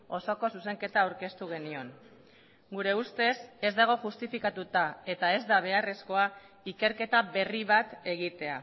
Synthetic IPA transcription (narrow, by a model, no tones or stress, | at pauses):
o̞so̞ko̞suse̞ŋke̞t̪aːwɾke̞st̪uɣ̞e̞nio̞ŋ | ɡuɾe̞ust̪e̞se̞zd̪aɣ̞o̞ʝust̪ifikat̪ut̪ae̞t̪ae̞zd̪aβ̞e̞are̞sko̞a | ike̞ɾke̞t̪aβe̞riβ̞at̪e̞ɣit̪e̞a